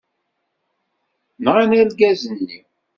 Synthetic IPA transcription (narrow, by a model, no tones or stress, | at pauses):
nʁænælɡæzənːi